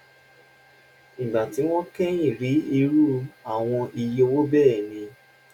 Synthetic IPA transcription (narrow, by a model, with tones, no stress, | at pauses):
n̩˨ɡ͡ba˨ti˨˦w̃ɔ̃˦kɛ˦ĩ˦˨ɾi˨˦i˧ɾu˦a˦˨w̃ɔ̃˧i˧je˧o˧wo˦bɛː˦˨nĩ˧